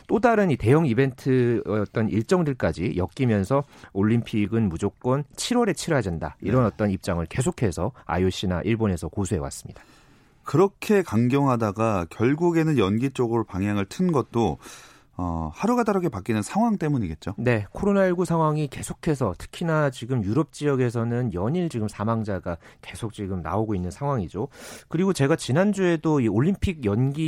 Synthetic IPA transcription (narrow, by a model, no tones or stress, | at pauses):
t͈odaɾɯnite̞jʌŋibe̞ntʰɯʌt͈ʌniɭt͡ɕ͈ʌŋdɯɭk͈ad͡ʑijʌk̚k͈imjʌnsʰʌoʎːimpʰiɡɯnmud͡ʑok̚k͈wʌnt͡ɕʰiɾwʌɾe̞t͡ɕʰiɾad͡ʑʌnda̰iɾʌnʌt͈ʌnip̚t͡ɕ͈aŋɯɭke̞s̬ʰokʰe̞sʰʌa̰joɕ͈ina̰ʔiɭbone̞sʰʌkosʰuɦe̞wa̰s͈ɯ̥mɲid̥ḁ | kɯɾʌkʰe̞kaŋɡjʌŋɦadaɡakjʌɭɡuɡe̞nɯnjʌnɡit͡ɕ͈oɡɯɾopaŋɦjaŋɯɭtʰɯnɡʌt̚t͈o | ʌ̰haɾuɡadaɾaɡe̞pak͈inɯnsʰaŋɦwaŋt͈e̞muɲiɡe̞t̚t͡ɕ͈one̞kʰoɾonaiɭɡusʰaŋɦwaŋike̞sʰokʰe̞s̬ʰʌtʰɯ̥kʰinat͡ɕiɡɯmjuɾʌp̚t͡ɕ͈ijʌɡe̞s̬ʰʌnɯnjʌɲiɭt͡ɕiɡɯmsʰamaŋd͡ʑaɡake̞sʰok̚t͡ɕ͈iɡɯmna̰oɡoinːɯnsʰaŋwaŋid͡ʑokɯɾiɡot͡ɕe̞ɡat͡ɕinand͡ʑue̞doioʎːimpʰiɡjʌnɡi